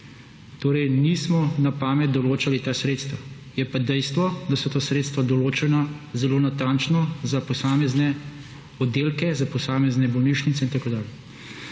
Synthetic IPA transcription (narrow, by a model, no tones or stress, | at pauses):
t̪oːɾɛjnismɔnapaːmɛt̪̚d̪ɔloːt͡ʃalit̪aːsɾet̪st̪ʋa | jɛpad̪ɛjst̪ʋɔd̪asɔt̪aːsɾet̪st̪ʋad̪ɔloːt͡ʃɛnazɛloːnat̪ant͡ʃnɔzapɔsaːmɛznɛ | ɔd̪ːeːlkɛzapɔsaːmɛznɛbɔlniʃnit̪sɛint̪akoːd̪aːljɛ